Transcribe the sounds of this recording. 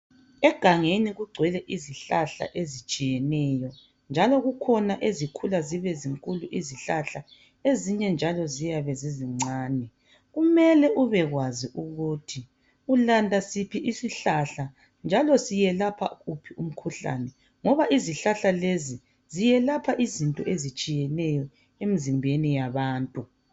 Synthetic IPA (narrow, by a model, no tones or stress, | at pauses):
ɛɡ̥ʱaŋeniɣuɡ͡ǀʱwɛlɛʔiziɬaɬa̰ʔezit͡ʃʼijɛnɛjɔ | nd͡ʒʱalɔɣukʰɔnaʔezikʰulaziβɛziŋkʼuluʔiziɬaɬa | eziɲɛnd͡ʒʱalɔzijaβɛziziŋ͡ǀʱaːnɛ | ɣumɛlɛʔuβɛɣwaziʔuɣutʰi | ulandʱasipʰiʔisiɬaɬa | nd͡ʒʱalɔsijɛlapʰa̰ɣupʰium̩kʰuɬa̰nɛ | ŋɔβaʔiziɬaɬalezi | zijɛlapʰaʔizintʼɔʔezit͡ʃʼijɛnɛjɔ | emizimbʱenijaβaːntʼu